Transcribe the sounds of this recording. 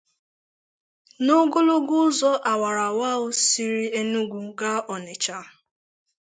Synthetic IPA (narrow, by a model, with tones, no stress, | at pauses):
no˦ɡo˦lo˦ɡʊ˦zɔ˦ʔa˨wa˨ɾa˨wa˦ʊ˦si˦ɾi˦e˦nu˦ɡʷu˨ɡa˦ʔɔ˨ne˨t͡ʃa˦